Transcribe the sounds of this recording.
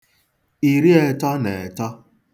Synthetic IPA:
i˨ɾi˦e˨tɔ˦ne˨tɔ˦

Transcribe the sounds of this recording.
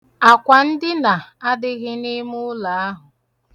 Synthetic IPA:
a˨kʷa˨n̩˦dɪ˦na˨a˦dɪ˦ɣɪ˦ni˦mʊ˦la˨a˦ɦʊ˨

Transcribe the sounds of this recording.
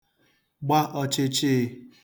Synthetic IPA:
ɡ͡ba˦ʔɔ˦t͡ʃe˦t͡ʃe˦˨

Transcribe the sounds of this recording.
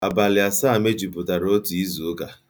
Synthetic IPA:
a˨ba˨lɪ˨a˨saː˦˨me˦d͡ʒi˨pʊ˨ta˨ɾo˦ti˨i˦zu˨˦ɡa˨

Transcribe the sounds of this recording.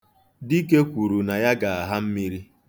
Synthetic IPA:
di˦ke˦kʷu˨ɾu˨na˨ja˦ɡa˨a˨ɦa˦m̩˦mi˦ɾi˦

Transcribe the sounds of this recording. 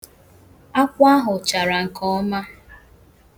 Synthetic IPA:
a˦kʷa˦ɦʊ˨t͡ʃa˨ɾa˨ŋ̩˨kɔ˦ma˦

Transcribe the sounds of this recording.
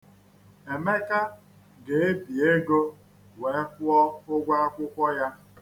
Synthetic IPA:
e˨me˦ka˦ | ɡe˨e˦bi˨e˦ɡo˦ | we˨˦kʷʊ˦ɔ˦ʊ˦ɡʷa˦a˦kʷʊ˦kʷɔ˦ja˦

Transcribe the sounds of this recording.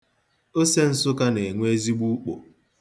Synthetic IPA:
o˦se˦n̩˨sʊ˦ka˦ne˨ŋʷe˦zi˦ɡ͡bu˦k͡po̰˨

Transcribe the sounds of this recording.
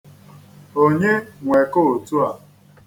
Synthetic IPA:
o˦ɲe˦ŋʷe˨ko˦˨tu˦a˨

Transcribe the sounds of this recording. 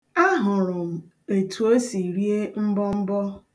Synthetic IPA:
a˦ɦʊ˨ɾʊ˨m̩˨ | e˨tʰu˨o˦si˨ɾi˦e˦m̩˦bɔ˦m̩˦bɔ˦

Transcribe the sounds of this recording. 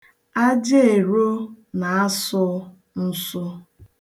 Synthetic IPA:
a˦d͡ʒe˦e˨ɾo˦ | na˨a˦sʊ˦ | n̩˦sʊ˦

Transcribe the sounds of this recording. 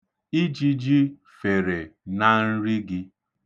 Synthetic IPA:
i˦d͡ʒi˦d͡ʒi˦ | fe˨ɾe˨na˨n̩˦ɾɪ˦ɡɪ˦

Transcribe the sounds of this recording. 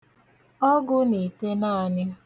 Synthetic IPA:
ɔ˦ɡʊ˦ni˨te˦naː˦˨nɪ˦

